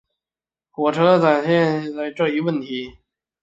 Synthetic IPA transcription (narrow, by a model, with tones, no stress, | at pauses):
xwɔ˨˩ʈ͡ʂʰɤ˧˥t͡sa˨˩nɕjɛ˥˧n˥˩la˧˥ɪʈ͡ʂɤ˥˩i˧˥wə˥˩nt̪ʰi˧˥